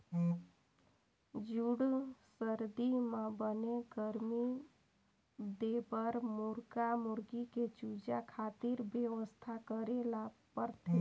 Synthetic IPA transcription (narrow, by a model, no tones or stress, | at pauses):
d͡ʒuɽsəɾd̪imãbəneɡəɾmi | d̪ebəɾmuɾɡamuɾɡiket͡ʃud͡ʒakʰat̪iɾbjəʋəst̪ʰakəɾelapəɾt̪ʰe